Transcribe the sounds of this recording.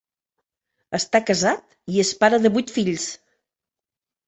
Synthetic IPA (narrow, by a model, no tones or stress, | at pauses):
əst̪akəzat̪ | iəspaɾəðəβujt̪fiʎs